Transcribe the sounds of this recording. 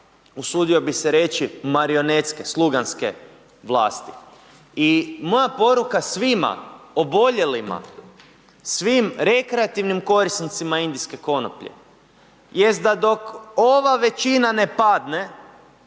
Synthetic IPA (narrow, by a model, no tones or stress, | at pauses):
usuːd̪io̞biseɾe̞t͡ʃimaɾio̞net̪ske̞slˠuɡanske̞̰ | ʋlˠa̰ːst̪i | imo̞japo̞ɾukasʋima̰obo̞ʎe̞lima̰ | sʋimɾe̞kɾeat̪iʋnimko̞ɾisnit̪simaind̪iske̞ko̞no̰pʎḛ | je̞st̪̚d̪ad̪o̞ko̞ʋaʋe̞t͡ʃinane̞pad̪ne̞